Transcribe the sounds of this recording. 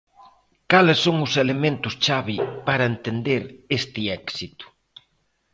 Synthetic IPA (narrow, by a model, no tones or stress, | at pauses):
kalɪsːoŋʊselemẽnt̪ʊst͡ʃaβɪpaɾɐent̪end̪eɾest̪ɪɛksit̪ʊ̥